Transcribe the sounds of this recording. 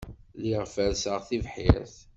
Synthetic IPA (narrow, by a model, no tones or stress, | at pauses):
liʁfəɾsəʁθivħiɾθ